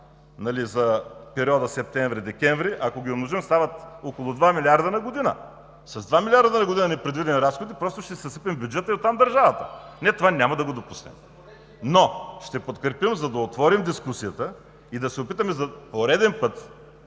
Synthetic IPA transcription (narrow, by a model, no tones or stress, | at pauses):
nɐlizɐpɛɾʲiɔd̪ɐsɛp̚t̪ɛɱvɾid̪ɛkʲɛɱvɾiʔɐkoɡʲiomnoʒimst̪avɐt̪okolˠʊd̪vamilʲiaɾd̪ɐnɐɡod̪inə̰ | sɐzd̪vamʲilʲaɾd̪ənɐɡʊd̪inɐnɛpɾɛd̪vid̪ɛnɾasxod̪ipɾɔst̪ʊʃt̪ɛsɐsəpɛmbʲjud͡ʒɛt̪əiot̪ːamd̪ɐɾʒavɐt̪ənɛt̪ovanʲamɐd̪ɐɡod̪opusnɛ̰m | noʃt̪ɛpot̪kɾɛɾpimzɐd̪ɐot̪vɔɾimd̪iskusijət̪ə | id̪ɐsɛopit̪əmɛzɐpoɾɛd̪ɛnpɤt̪